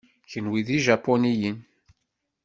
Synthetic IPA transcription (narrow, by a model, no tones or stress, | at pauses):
çənwiðiʒapːɔnijən